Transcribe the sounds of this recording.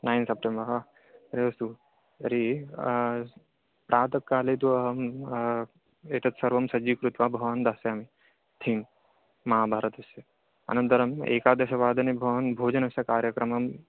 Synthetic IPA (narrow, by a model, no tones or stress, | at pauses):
naːjnsɐp̚ʈembɐɾɦa | ɾeʋɐst̪u | ɾi | pɾʔaːt̪ɐkːaːlet̪uɐɦɐm | et̪ɐt̪sɐɾʋɐmsɐd͡ʒiːkɾut̪ʋabʱɐʋand̪aːseami | t̪ʰiːnː | ɐɦaːbʱaːɾɐt̪ɐsɐ | ɐ̰nɐnd̪ɐɾɐmḛːkaːd̪ɐʃɐʋaːd̪ɐnibʱɐʋɐnbʱoːd͡ʒɐnɐsɐkaːɾjɐkɾɐmɐm